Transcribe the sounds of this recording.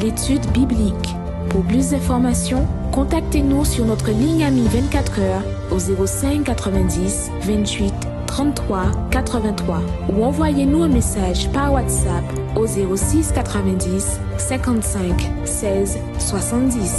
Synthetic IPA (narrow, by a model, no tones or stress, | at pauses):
let̪yd̪biblik | puʁplys̬d̪ɛ̃fɔʁmasjɔ̃kɔ̃t̪ak̚t̪enusyʁnɔt̪χəliɲamivɛ̃t̪̚kʲat̪χœʁ | ozeʁosɛ̃kːat̪χəvɛ̃d̪is | vɛ̃t̪ɥit̪ːχɑ̃t̪t̪ːχwakat̪χəvɛ̃t̪χwauɑ̃vwajenuɛ̃mesaʒpaʁwat̪sap | ozeʁosiskat̪χəvɛ̃d̪isː | ɛ̃kɑ̃t̪sɛ̃k | sɛz | swasɑ̃t̪̚d̪is